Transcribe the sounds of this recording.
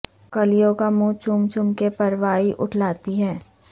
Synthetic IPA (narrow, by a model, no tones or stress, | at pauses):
kɐlijõkamũt͡ʃʊmt͡ʃʊmkepɐɾʋaːiʔʊʈʰlaːt̪iɦɛː